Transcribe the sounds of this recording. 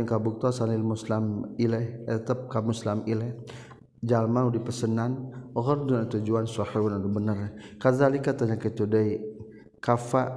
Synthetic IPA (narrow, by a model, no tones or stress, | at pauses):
ŋkabuk̚t̪ɔsanilmuslamilɛhɛt̪əp̚kamuslamilɛh | d͡ʒalmanudipəsənanɔɣɔrd̪unat̪ud͡ʒuansɔħiwnad̪ubənərkazalikat̪aɲakit̪udəj | kafa